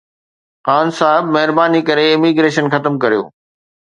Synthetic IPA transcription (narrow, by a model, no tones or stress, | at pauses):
xaːnsaːɦɪbmɐɦɪɾbaːnikɐɾeɪmiːɡɾeːʃənxɐt̪əmkɐɾijo̰ː